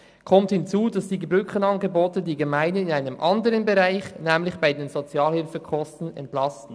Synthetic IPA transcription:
kʰɔmthɪnt͡suːdɑsd̥iːɡəbʁʏkənɑnɡəboːtədiːɡəmaɪnəɪnaɪnəmʔɑndəʁənbeʁaɪçnɛːmlɪçb̥aɪdeːnzot͡sjɑːlhɪlfəkʰɔstn̩ɛ̰ntlɑstn̩

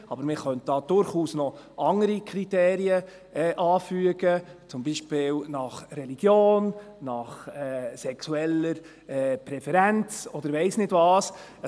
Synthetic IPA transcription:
ɑbəɾmɪχœnt̚d̥ɑːd̥̪ʊɾχuːsnɔ | ʔɑŋəɾikʰɾit̪eːɾiə | ɛʔɑːfyəɡət͡sʊmbiːʃpɪːlnɑχɾɛliɡ̥joːnnɑχɛsɛksuɛləɾ | ɛpɾɛfɛɾænt͡sɔd̪əɾvɛɪsnɪd̥vɑːs

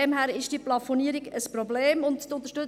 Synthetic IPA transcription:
ɛmɦæɾɪʃd̥iplɑfoniːəɾiɡəspɾobleːmʊnttʊnt̪əɾʃtʏ

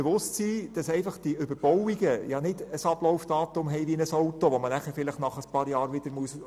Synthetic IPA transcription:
ɛʋʊstsiːd̥ɑsɛɪfɑχd̥iʏbəɾb̥ɔwiɡəjɑnɪd̥əsɑb̥lɔwfd̥ɑːtʊmɦɛɪʋiənəsɔʊtoʋɔmənæχəɾfɪlɪχtnɑχəspɑːɾjɑːɾʋɪd̥̪əɾmuəs

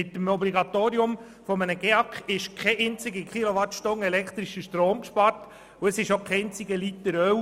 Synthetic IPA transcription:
ɪt̪əmɔbliɡɑt̪oːɾiʊm | fɔmənəɡ̥eɑkχɪʃkʰɛʔɛnt͡sɪɡikχiloʋɑtʃtoŋɛlɛkʰt̪ɾiʃəʃtɾoːmkʃpɑɾt | ʊəsɪʃokʰɛɪnt͡siɡəlit̪ːəɾœw

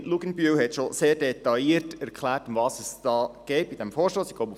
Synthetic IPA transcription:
luɡənbyːlhɛtʃoseːrdɛt̪ɑiːərtæɾkʰχlæːrtʊmvɑːsəsd̥ɑːɡ̥ɛɪt̚b̥id̥ɛmfɔːɾʃtoːsi̥kɡ̥loʊbu

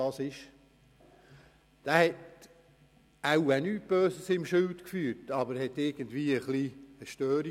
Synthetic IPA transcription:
ɑsɪʃ | d̥æːhɛt | awænyt̚b̥øːsəsɪmʃɪlt̪kfyːɾtɑbəɾhɛt̪ɪɾɡ̥əndviːəχliəʃtøːɾi

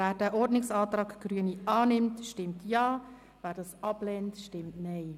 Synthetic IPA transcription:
æːɾdæːʔɔɾdnɪksɑːtɾɑːkɡ̥ɾyəniʔɑːnɪmtʃtɪmtʰjɑː | væːɾdɑːsɑblɛːntʃtɪmtnɛɪ

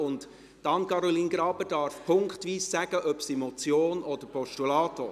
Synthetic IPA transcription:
ʊnd | tɑnkɑɾɔliːnɡɾɑːbəd̥ɑːɾfpʰʊŋkχtʋiːsːæɡ̥əʔœpsimɔt͡sjoːnɔd̪əɾpʰɔʃtulɑːto

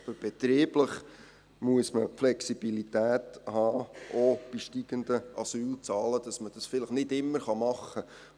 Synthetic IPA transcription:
bəb̥ɛt̪ɾiːbləχ | muəsməpflɛksib̥ilitæːthɑːʔob̥iʃtiɡ̥əndəʔɑsyːlt͡sɑːləd̥ɑsməd̥ɑsfɪləχnɪdɪmːəɾχɑmɑχə

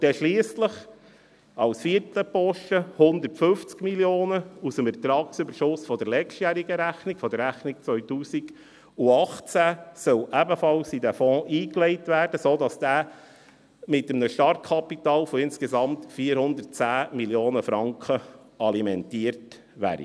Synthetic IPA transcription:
d̥ɛʃliːəsləχ | ɑwsfiəɾtləpɔʃtəhʊnd̪ərtfɵft͡skmiljoːnəusəmɛt̪ɾɑːksøbəɾʃʊsfɔd̪əɾlɛt͡ʃtjæːɾiɡəɾæχnikfɔd̥̪əɾɾæχnik̚t͡sʋœʏtuːsiɡ̥ | uɑχt͡sæsœwʔæbəfɑlsidæfɔ̃ːʔiːklɛɪtʋæːrdəsoːdɑsd̥æː | mɪtəmnəʃtɑrt̚kʰɑpitɑːlfɔɪnskesɑmt̪fiːəɾhʊnd̪ərt̚t͡sæːmiljoːnəfɾɑŋkχə | ɑlimɛntiːəɾt | ʋæ̰ːɾḭ

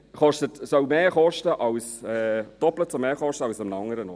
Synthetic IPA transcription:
χɔʃtətsœwmeːχɔʃtəʔɑlsɛd̥ɔplət͡sumeːχɔʃtəɑwsʊmnɑŋːəɾənɔ̰ː

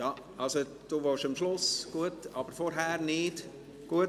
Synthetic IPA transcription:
jɑː | ʔɑlso | d̥uːʋoːʃəmʃlʊsɡ̥uətɑb̥əɾfɔɾɦæːɾnɪd | ɡ̥uə

